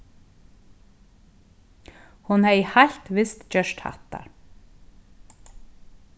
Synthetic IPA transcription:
hunɛihaɬt̪vɪst̪t͡ɕœʃt̪ha̰ht̪a̰ɾ

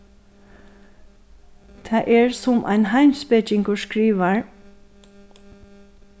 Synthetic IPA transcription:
t̪ʰæːʔɛɹsʊmʔa̰ɪnɦaɪmspɛt͡ʃɪŋkɔskɹiːʋaɹ

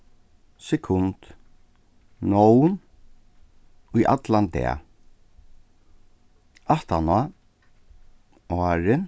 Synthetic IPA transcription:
sɛkʰʊnt̪ | nɔwn | ʊjʔa̰t̪lant̪ɛ̰a̰ | aht̪ana | aːɹɪ

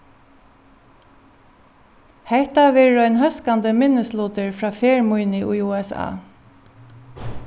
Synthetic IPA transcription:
hɛht̪aʋɛːɹɔɪnɦœskant̪əmɪnːəst̪luːt̪əɹfɹaːfɛːɹmujnɪʔujuːɛsa̰ː

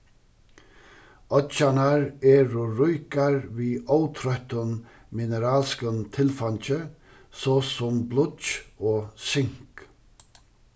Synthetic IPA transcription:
œt͡ʃanaɾɛːɾʊɾʊjkaɹviːowt̪ʰɾœht̪ʊn | mɪnəɾaːlskənt̪ʰɪlfaɲt͡ʃə | sɔːsɔmblʊt̪t͡ʃɔːsɪŋ̥k

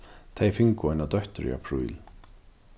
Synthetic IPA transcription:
t̪ʰejfɪŋkʊajnad̪œht̪ʏɾḭa̰pʰɾṵjl

